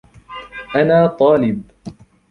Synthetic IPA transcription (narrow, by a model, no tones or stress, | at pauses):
ʔanaːt̪ˤɑːlɪb̚